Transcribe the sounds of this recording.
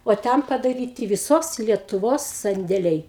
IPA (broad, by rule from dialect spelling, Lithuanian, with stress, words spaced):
oː ˈtʲɛn pɐdɐˈrʲiːtʲɪ ʋʲɪˈsoːs lʲiɛtʊˈʋoːs sɐnʲdʲeːˈlʲɛɪ